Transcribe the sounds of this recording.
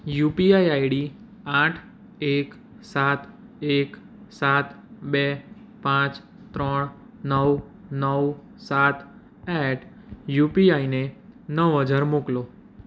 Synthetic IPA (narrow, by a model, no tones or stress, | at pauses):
jupiajaiɽi | aʈʰ | ek | sat̪ | ek | sat̪ | be | pãt͡ʃ | t̪ɾəɳ | nəw | nəw | sat̪ | ɛʈʰ | jupiainenəʋːəd͡ʒaɾmoklo